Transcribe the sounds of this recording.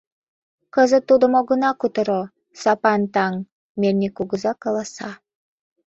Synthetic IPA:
kə̆zə̆t̪ːud̪ə̆moɣə̆nɑkut̪ə̆ɾo | sɑpɑnt̪ɑŋ | melʲnʲekuɣə̆zɑkɑlɑsɑ

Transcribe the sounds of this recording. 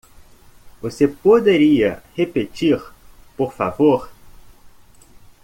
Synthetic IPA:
vosepod̪eɾiɐ̰hepet͡ʃiɾ | poɾfavoɾ

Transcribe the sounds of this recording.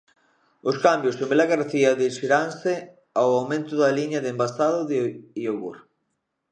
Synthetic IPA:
ʊskambjʊst̪embelaɣaɾθiɐðɪʃiɾansɪ | awawmẽnt̪ʊðɐliɲɐðembast̪aðʊðioɣo̰ɾ

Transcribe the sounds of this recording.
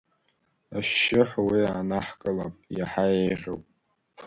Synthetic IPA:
aʃːɪħawiaːnaħkʼɨlapʼjaħaejʁʲo̰wpʼ

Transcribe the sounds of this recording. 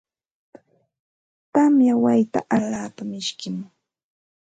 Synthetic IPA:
t̪amjawajt̪a̰ʔaʎaːpamɪʃkɪmʊ

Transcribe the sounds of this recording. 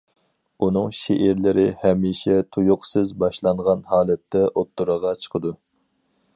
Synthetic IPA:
unɨŋʃeʔːɾlɪɾɪhɛmiʃɛt̪ʰujoqsɨzbɑʃlˠɑɴʁɑnhɑːlˠɛt̪ːɛʔot̪ːuɾəʁɑt͡ʃʰə̥qʰəd̪u

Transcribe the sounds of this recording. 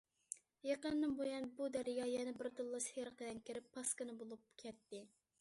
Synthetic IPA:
jeqənːɨmbojɑnbud̪ɛɾijɑːjɛnɛbɪɾd̪ɨlˠːɨsheɾqəd̪ɛnkʲʰɪɾɪpʰːɑskɨnɨbolˠup̚kʲʰɛt̪ːɪ

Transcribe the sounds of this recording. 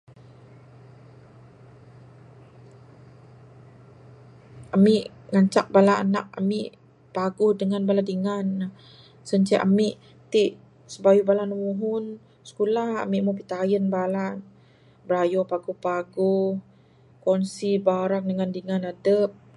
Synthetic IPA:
amiʔŋaɲt͡ʃak̚balaa̰nak̚a̰miʔ | paɡʊhdəŋanbaladiŋana | səɲt͡ʃɛʔa̰miʔ | t̪iʔ | səbajubalanəmuɦʊn | sə̥kulaha̰miʔmopit̪ajənbala | bəɾajɔpaɡuhpaɡu | kɔnsibaɾaŋdəŋandiŋanadəp̚

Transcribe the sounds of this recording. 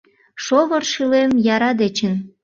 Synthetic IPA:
ʃoβərʃilemjɑɾɑd̪et͡ɕə̆n

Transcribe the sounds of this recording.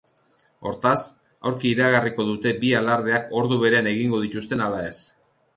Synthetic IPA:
o̞ɾt̪as | a̰wɾkiːɾaɣariko̞ðut̪e̞bialaɾðeako̞ɾðuβe̞ɾe̞ane̞ɣiŋɡo̞ðit̪ust̪e̞nalaes

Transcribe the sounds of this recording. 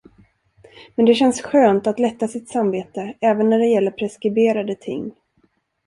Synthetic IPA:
mɛnd̪ɛɕɛnsɧøːnt̪at̪lɛt̪ːasɪt̪samveːt̪əɛːvənːæɖɛjɛlːəɾpʰɾɛskɾɪbeːɾad̪ət̪ʰɪ̰ŋː

